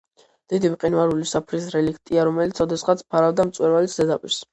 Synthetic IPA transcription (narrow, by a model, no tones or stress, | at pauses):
d̪̥id̪ivqʼinvaɾulisapʰɾis̬ɾɛlikʰt̪ʼiaɾɔmɛlit̪sʰɔd̪ɛsχat̪sʰpʰaɾavd̪amt̪sʼwɛɾvalit̪sʰzɛd̪apʼiɾs